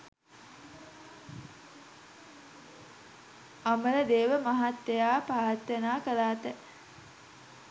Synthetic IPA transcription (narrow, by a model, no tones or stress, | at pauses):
amələd̪eːʋəmaɦat̪ːejaːpaːt̪ːənaːkəlaːt̪ə